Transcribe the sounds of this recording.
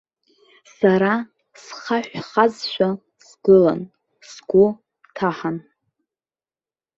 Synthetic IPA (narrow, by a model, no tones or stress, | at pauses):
saɾa | sχaħʷᶣχazʃʷᶣa | sɡɨla̰n | sɡʷʊ | tʰaħan